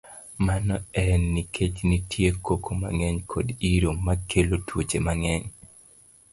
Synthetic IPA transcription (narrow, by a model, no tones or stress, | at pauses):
manɔɛnːikʰet͡ʃnitʰjekokʰoma̰ŋɛɲkʰodiɾomakʰelotwot͡ʃemaŋɛɲ